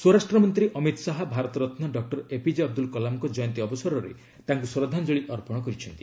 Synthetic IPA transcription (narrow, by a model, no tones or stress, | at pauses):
swoɾasʈɾɔmɔnt̪ɾiʔɔmit̪saɦɔbʱaɾɔt̪ɔɾɔt̪nɔɖɔk̚ʈɔɾepid͡ʒiɔb̚d̪ulkɔlamkɔd͡ʒɔjɔnt̪iɔbɔsɔɾɔɾḛ | t̪aŋkusɾɔd̪ʱand͡ʒoɭiʔɔɾpɔɽ̃ɔkɔɾit͡ʃʰɔnt̪i̥